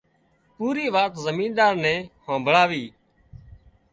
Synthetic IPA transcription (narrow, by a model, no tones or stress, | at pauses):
puːɾiːʋaːt̪zəmĩːnɗaːɾnɛ̃ːhãːbʱəɭaːʋiː